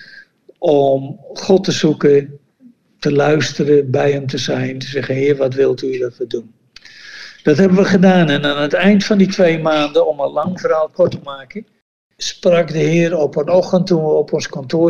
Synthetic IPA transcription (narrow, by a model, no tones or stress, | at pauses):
ʔɔmχɔtəsukə | təlœɥstərəbɛjəmtəzɛjntəsɛxənhɪərʋɔtʋɪlˠtʰydɔtʋədun | d̥ɔtɦɛbənʋəχədaːnɛnanətɛjntfɔnditʰʋeːmaːndəɔməlaŋfəraːlˠkʰɔrtəmaːkə | sprakdəhɪəɾɔpənɔxəntuɔpɔnskɔntʰoː